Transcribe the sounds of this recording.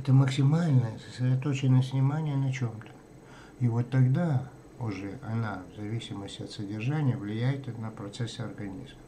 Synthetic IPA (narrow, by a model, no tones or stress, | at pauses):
ɛt̪əməksʲɪmalʲnəjəsəsɾʲɪd̪ɐt̪ot͡ɕɪnəjəsʲnʲɪmanʲɪjənɐt͡ɕomt̪ə̥ | ivo̞t̪ːɐɡd̪a | ʊʐɛɐnavzɐvʲisʲɪməsʲtʲɪɐt̪sədʲɪrʐanʲɪjəvlʲɪjæjɪt̪ənəpɾɐt̪sɛsːəɐrɡɐnʲizmə